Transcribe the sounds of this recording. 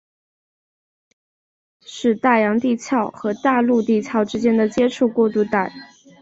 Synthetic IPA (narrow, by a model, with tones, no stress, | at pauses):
ʂɻ̩˥˧t̪a˥˩jɑ˧˥ŋt̪i˥˧t͡ɕʰjɑ˥˩ʊxɤ˧˥t̪a˥˧lu˥˧t̪i˥˧t͡ɕʰjɑ˥˩ʊʈ͡ʂɻ̩˥t͡ɕjɛ˥nd̪ə˨t͡ɕjɛ˥ʈ͡ʂʰu˥˧kwɔ˥˧t̪u˥˧t̪a˥˩ɪ